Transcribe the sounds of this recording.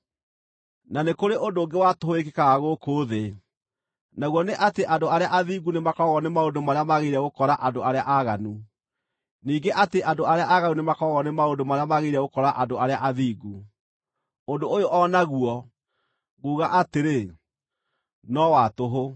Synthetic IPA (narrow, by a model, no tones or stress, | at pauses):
nanekoɾeʔondoːŋɡewatoɦoekekaɣaɣokoːðe | naɣwɔneʔateʔandoaɾeaʔaðiːɡunemakɔɣɔnemaondomaɾeamaɣeiɾɛɣokɔɾaʔandoaɾea̰ʔaɣanu | niːŋɡeʔateʔandoaɾeaʔaɣanunemakɔɣɔnemaondomaɾeamaɣeɾɛɣokɔɾaʔadoaɾeaʔaðiːɡu | ondoojoʔɔnaɣuɔ | ɣuːɣaʔateɾe | nɔwatoɦo